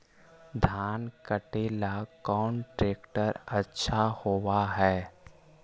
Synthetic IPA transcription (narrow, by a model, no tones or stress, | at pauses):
d̪ʱaːnkəʈeːlakɔːnʈɾeːkʈəɾɐtːʃʰahoːwaɦɛː